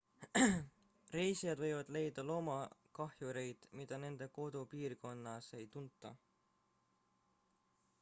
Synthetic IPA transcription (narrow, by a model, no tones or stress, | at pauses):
re̞jsijɑd̪vɤ̞jvɑd̪̥le̞jd̪̥ɑlo̞ːmɑkɑhjuɾe̞jd̪̥mid̪̥ɑne̞nd̪̥e̞ko̞d̪̥upiːrko̞nːɑse̞jt̪unt̪ˑːɑ̰